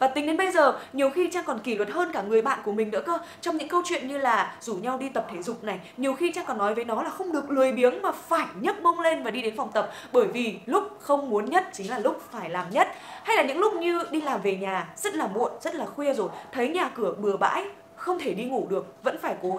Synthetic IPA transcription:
vaː˨˩t̪i˨ŋɗe˨˦nɓə˧jzəː˨˩ɲi˨˩əwxi˧t͡ɕaː˧ŋkɔ˨˩nki˧˩ləː˨˩t̚həː˧nkaː˧˩ŋɨ˨˩əjɓa̰ː˧˨nku˧˩əmï˨˩ŋ̟nɨ̰˧˥əkəː˧ | t͡ɕɔ˧ŋ͡mɲɨ̰˧˥ŋkə˧wt͡ɕwḭ˧˨ənɲɨ˧laː˨˩zu˧˩ɲa˧wɗi˧t̪ə˨˩p̚t̪ʰe˧˩zʊ˨˩k͡p̚na˨˩jɲi˨˩əwxi˧t͡ɕaː˧ŋkɔ˨˩nːɔ˨˦jvəː˨˦jnɔ˨˦laː˨˩xə˧wŋ͡mɗɨ˨˩ək̚lɨ˨˩əjɓi˨˦əŋmaː˨˩faː˧˩jɲə˦˥t̚mə˧wŋ͡mle˧nvaː˨˩ɗi˧ɗe˨˦nfa˨˩wŋ͡mt̪ə˨˩p̚ | ɓəː˧˩jvi˨˩lʊ˦˥k͡p̚xə˧wŋ͡mmu˨˦ənɲə˦˥t̚t͡ɕï˨˦ŋ̟laː˨˩lʊ˦˥k͡p̚faː˧˩jlaː˨˩mɲə˦˥t̚ha˧jlaː˨˩ɲɨ̰˧˥ŋlʊ˦˥k͡p̚ɲɨ˧ɗi˧laː˨˩mve˨˩ɲaː˨˩zə˦˥t̚laː˨˩mṵ˧˨ənzə˦˥t̚laː˨˩xwi˧əzo˨˩jt̪ʰə˨˦jɲaː˨˩kɨ˧˩əɓɨ˨˩əɓa̰ː˧˥j | xə˧wŋ͡mt̪ʰe˧˩ɗi˧ŋu˧˩ɗɨ˨˩ək̚və̰˧˥nfaː˧˩jko˨˦

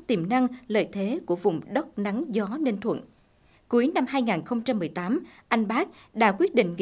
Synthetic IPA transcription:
t̪i˨˧˩mna˧ŋlə̰ː˧˨jt̪ʰe˨˦ku˧˩əvʊ̰˧˨˩ŋ͡mɗə˦˥wk͡p̚na˨˦ŋzɔ˨˦ne˧nt̪ʰwə̰˧˨n | ku˨˦əjna˧mɦaː˧jŋaː˨˩nxə˧wŋ͡mt͡ɕa˧mːɨ˨˩əjt̪aː˨˦mʔa˧jŋ̟ɓaː˦˥k̚ɗa̰ː˧˥kwi˦˥ət̚ɗḭ˧˨ŋ̟ŋ˧

